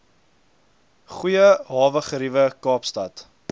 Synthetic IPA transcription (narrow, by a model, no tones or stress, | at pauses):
χujəɦɑːvəχəɾivəkɑːpstɐt